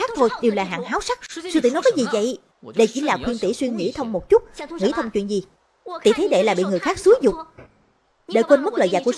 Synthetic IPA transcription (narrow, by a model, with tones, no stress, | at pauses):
aː˦˥k̚t̪ʰo˧jɗe˨˩wlaː˨˩ɦa̰ː˧˨ŋhaː˨˦wsa˦˥k̚sɨ˧t̪ḭ˧˩nɔ˨˦jkɔː˨˦jzi˨˩və̰˧˨j | ɗə˧jt͡ɕi˧˥˦laː˨˩kwi˧ənt̪ḭ˧˩swi˧əŋŋḭ˧˥t̪ʰə˧wŋ͡mmo˨˩t̚t͡ɕʊ˦˥t̚ŋḭ˧˥t̪ʰə˧wŋ͡mt͡ɕwḭ˧˨nzi˨˩ | t̪ḭ˧˨˩t̪ʰe˨˦ɗe˧˩laː˨˩ɓḭ˧˨ŋɨ˨˩əjxaː˦˥k̚su˨˦jzʊ˨˩k͡p̚ | ɗḛ˧˩kwə˧nmə˦˥t̚lə̰ː˧˨za̰ː˧˨ku˧˩ə